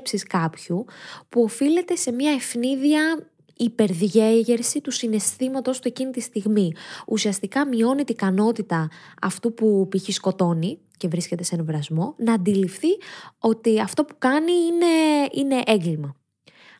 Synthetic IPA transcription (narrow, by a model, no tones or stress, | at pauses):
psiskɐpçupuo̞file̞t̪e̞se̞mɲɐe̞fniðiɐ | ipe̞ɾðʝe̞ʝe̞ɾsit̪usine̞st̪imɐt̪o̞st̪ue̞cinit̪ist̪iɣmiusiɐst̪ikɐmio̞nit̪ikɐno̞t̪it̪ɐɐ̰ft̪upupiçisko̞t̪o̞ni | ce̞vɾisce̞t̪e̞senevɾɐzmo̞nɐːnd̪ilifθio̞t̪iɐft̪o̞pukɐniine̞ine̞ʔeŋɡlimɐ